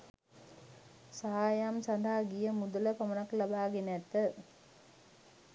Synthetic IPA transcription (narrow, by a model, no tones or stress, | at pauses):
saɦaːjamsɐnd̪ʱaːɡijəmud̪uləpɐmənaklabaːɡenɛt̪ːə